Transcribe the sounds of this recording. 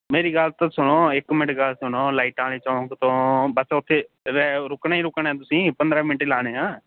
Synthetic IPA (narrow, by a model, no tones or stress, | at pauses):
meːɾiːɡəlt̪õːsʊnoːɪkːmɪɳʈɡalsʊnoːlaːɪʈaːɽeːt͡ʃaːõkt̪õːbəsʊt̪ʰːeː | ɾɾʊkɳaːĩɾʊkɳaɛ̃ːt̪̬ʊsĩːpənd̪ɾaːmɪɳʈeːlaːɽ̃eːɦãː